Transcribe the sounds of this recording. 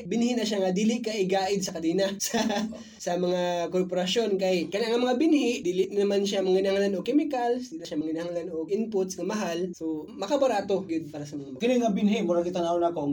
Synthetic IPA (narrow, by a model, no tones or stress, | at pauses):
bɪnhɪnɐʃaŋad̪iːlɪʔkɐʔɪɡaːʔɪd̪̚sɐkɐd̪iːnasɐ | sɐmɐŋakoɾpoɾɐʃjo̞nkɐjkɐnaŋɐmɐŋabɪnhɪʔd̪iːlɪʔnnɐmanʃamɐŋɪnɐhaŋlanokɛmɪkɐlsd̪iːnɐʃamɐŋɪnɐhaŋlanʔoʔɪnpʊt̪sɐmɐɦalsomɐkabɐɾaːt̪o̞ɡɪd̪̚paːɾɐsɐmɐŋakɪlɪŋɐbɪnɦɪʔmʊɾaɡɪt̪ɐnalako